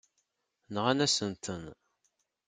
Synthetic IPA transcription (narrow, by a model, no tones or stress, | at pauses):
nəʁænæsənt̪ʰən